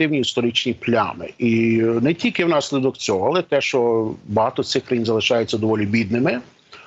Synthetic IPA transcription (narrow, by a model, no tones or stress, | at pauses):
ɪwnʲiːst̪ɔɾɪt͡ʃnʲiplʲa̰mɪ̰ʔinɛtʲilʲkɪwnɑsʲlʲɪd̪ɔkt͡sʲɔɦɔɐːlˠɛt̪ɛʃt͡ʃɔbɔɦɑt̪ɔtsɪxkɾɐjinzɐlˠɪʃɑjet͡sʲːɐd̪ɔʋɔlʲibʲid̪nɪmɪ